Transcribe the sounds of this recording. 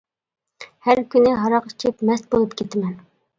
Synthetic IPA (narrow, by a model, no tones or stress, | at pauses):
hæɾkʲynɪɦɑɾɑqi̥t͡ʃʰɪpmɛst̪̚bolˠupkʲʰet̪ʰɪmɛn